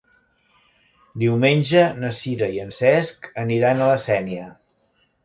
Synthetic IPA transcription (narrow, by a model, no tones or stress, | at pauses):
d̪iwmenʲʒənəsiɾəiənsɛskəniɾanələsɛniə